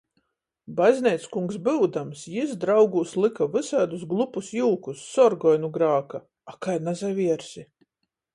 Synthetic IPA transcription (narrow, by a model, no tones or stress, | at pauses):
bazʲnʲɛjt̪skuŋksbɨwd̪amsjisd̪ɾawɡuːslˠɨkavɨsaːd̪usɡlˠupusjuːkusːɔɾɡɔjnuɡɾaːka | akajnazajvʲiɛɾsʲi